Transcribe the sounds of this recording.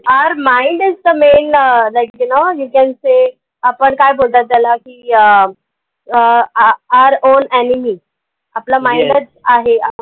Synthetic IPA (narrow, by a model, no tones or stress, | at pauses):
aəɾmãɪ̃ɳɖɪzd̪əmeːnlaɪkjunojukɛ̃nse | apəɳkajbʱolt̪at̪̚d͡zalakiə | aəɾõːnɛnimi | aplamãɪ̃ɳɖət͡saɦea